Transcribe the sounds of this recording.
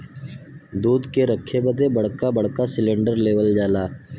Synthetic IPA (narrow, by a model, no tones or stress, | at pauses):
d̪uːd̪keɾəkʰːebəd̪ebəɽ̤kabəɽ̤kasɪlẽɳɖəɾleːʋəld͡ʒaːlaː